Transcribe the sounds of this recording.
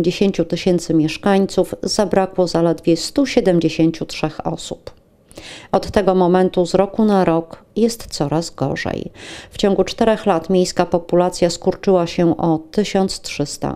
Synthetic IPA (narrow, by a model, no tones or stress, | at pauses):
d͡ʑeɕeɲt͡ɕut̪ɘɕɛnt̪sɘmʲjɛʂkaɲt̪suvz̥abɾakwɔzalɛd̪vʲjɛst̪uɕɛd̪ɛmd͡ʑeɕeɲt͡ɕutʂɛxɔ̰sup | ɔt̪ːɛɡɔmɔmɛnt̪uzɾɔkunaɾɔkjɛst̪t̪sɔɾazɡɔ̰ʐɛ̰jft͡ɕɔ̃ŋɡut͡ʂt̪ɛɾɛxlat̪mʲjejskapɔpulat̪sʲjaskuɾt͡ʂɘwaɕɛʔɔt̪ɘɕɔnt̪stʂɘst̪a̰